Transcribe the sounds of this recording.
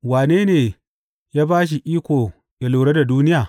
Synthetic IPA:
waː˨neː˦neː˨ | jaː˦baː˦ʃ̬i˨ʔiː˦kʷoː˨ | ja˨loː˨ɽe˦da˨duː˦nɪ˦jaː˨

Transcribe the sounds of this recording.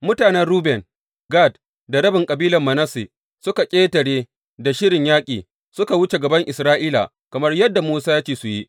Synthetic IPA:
mʊ˦taː˨nɛ˦nɽuː˦bɛ˨ŋ | ɡa˦˨d | da˨ɽɐ˦bɪ˨ŋkʼɐ˨biː˦lɐ˨mːɐ˨nɐ˦si˨ | sʊ˦ka˨kʲʼeː˦tɐ˨ɽeː˦ | da˨ʃɪ˦ɽɪ˨ɲjaː˦kʲʼiː˨ | sʊ˦ka˨wʊ˦t͡ʃe˨ɡɐ˨bɐ˦ŋʔɪ˨sɾaː˦ʔiː˦la̰˨ | kɐ˨mɐ˦rjɐ˦dːa˨muː˦saː˦jaː˦t͡ʃeː˨su˨ji˦ʔ

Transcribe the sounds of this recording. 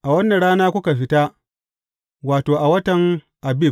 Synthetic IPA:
ʔa˨wɐ˦nːɐ˨ɽaː˦naː˦kʷʊ˦ka˨ɸɪ˦taː˦ | waː˨toː˨ʔa˨wɐ˦tɐ˨ŋ | ʔa˨bɪ˦˨

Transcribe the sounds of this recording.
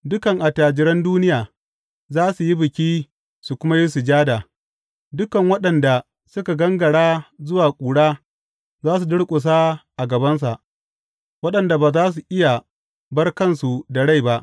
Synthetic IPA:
dʊ˦kɐ˨ŋʔa˨taː˨d͡ʒɪ˨ɾɐ˦nduː˦nɪ˦jaː˨ | zaː˦su˨ji˦bɪ˨kʲiː˦ | su˨kʷʊ˦ma˦ji˦s̬u˨d͡ʒaː˦daː˨ | dʊ˦kɐ˨ŋwɐ˦ɗɐ˨nda˨ | sʊ˦ka˨ɡɐ˦ŋɡɐ˨ɽaː˦zʊ˦waː˨kʷʼuː˨ɽaː˦ | zaː˦s̬u˨dʊ˦ɽkʷʼʊ˨s̬aː˦ʔa˨ɡɐ˨bɐ˦ns̬a˨ʔ | wɐ˦ɗɐ˨nda˨baː˨zaː˦s̬u˨ʔɪ˦ja˨ | bɐ˦rkɐ˦˨nsu˨da˨ɽa˦˨jba˦ʔ

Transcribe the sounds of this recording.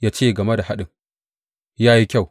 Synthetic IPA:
jaː˦t͡ʃeː˦˨ɡɐ˨me˦da˨ha˦ɗɪ˨ŋ | jaː˦ji˦kʲa˦˨w

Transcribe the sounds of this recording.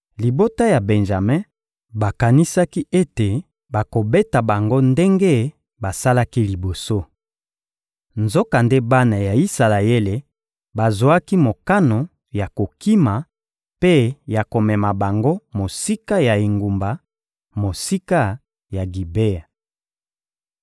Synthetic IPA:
li˨bo˦ta˦ja˨bɛ˨nʒa˨mɛ̃˦ | ba˨ka˨ni˦sa˦ki˦e˦te˨ | ba˨ko˨be˦ta˨ba˨ŋɡo˦nde˦ŋɡe˦ | ba˨sa˦la˦ki˦li˨bo˨so˦ | nzo˦ka˨nde˦ba˦na˨ja˨i˦sa˨la˨e˦le˨ | ba˨zwa˦ki˦mo˨ka˦no˨ | ja˨ko˨ki˦ma˨ | pe˦ja˨ko˨mɛ˨ma˨ba˨ŋɡo˦mo˨si˦ka˦ja˨e˨ŋɡu˨mba˨ | mo˨si˦ka˦ | ja˨ɡi˨be˦a˨

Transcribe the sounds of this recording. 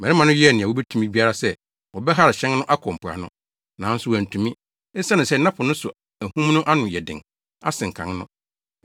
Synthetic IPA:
mɛ˨ɾɪ˦mã˨nʊ̃˦ɥɛ˦˨nɪ̃˨wo˦bɛ˦tʰũ˦mĩ˦bi˦a˦ɾa˦sɛ˦ | wɔ˨bɛ˦ɦa˦ɾɪ˨ɕɛ̃˦n˦nʊ̃˦ʔa˦kʰɔ̃˨m̩˨pʰʊ˨a̰˨nʊ̰̃˦ | nãː˨˦n̩˦sʊ˦wæ˨tʰũ˨mĩ˦ | ɛ˦sã˦nʊ̃˨sɛ˦˨˦nã˦pʰʊ˨nʊ̃˦sʊ˨ | æ˨hũ˦m˦nʊ̃˦ʔa˦nʊ̃˨jɛ˨dɪ̰̃˨ŋ | a̰˦sɪ̃˨ŋ˨kʰã̰˨ŋnʊ̰̃˦

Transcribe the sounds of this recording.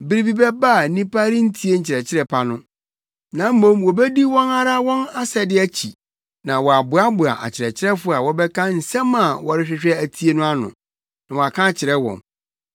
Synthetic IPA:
bi˦ɾi˦bi˦bɛ˦ba˦˨nĩ˦pa˦ɾi˦n̩˦tʰi˦e˦ɲ̩˨t͡ɕʰɪ˨ɾɛ˨t͡ɕʰɪ˦ɾɛ˦pʰa˨nʊ̃˦ | nã˨˦m̩˦mõ˦mwɔ˨bɛ˦di˦wɔ̃˦na˦ɾa˦wɔ̃˦na˦sɛ˨dɪ˦æ˦t͡ɕʰi˨ | nã˨wɔ˨a˨bʊ˨a˦bʊ˨a̰˨ʔa̰˨t͡ɕʰɪ˨ɾɛ˨t͡ɕʰɪ˦ɾɛ˦fʊ˦a˨wɔ˦bɛ˦kʰã˦n̩˨sɛ̃˦mã˨wɔ˨ɾɪ˦ɕᶣɪ˨˦ɕᶣɛ˦æ˨tʰi˦e˦nʊ̃˦a˦nʊ̰̃˨ | nã˨wɔ˨a˨kʰã˦˨t͡ɕʰɪ˨ɾɛ˦wɔ̰̃˨n

